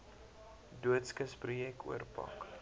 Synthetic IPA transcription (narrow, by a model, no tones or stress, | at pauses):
duətskəsprjɛkṵərpɐ̰k